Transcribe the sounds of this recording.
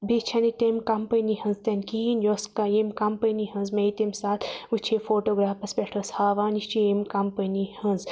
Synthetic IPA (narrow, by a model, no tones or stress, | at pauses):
bit͡ʃʰɐnit̪emkɐmpɐnihɐ̃nzt̪ɐnkiinjoskaemkɐmpɐniɦɐ̃nzmɐjt̪emsaːt̪ʰut͡ʃʰefoːʈoːɡɾaːpɐspʲekʈʰɐshaːʋaːniʃt͡ʃiemkɐmpɐnihɐ̃nz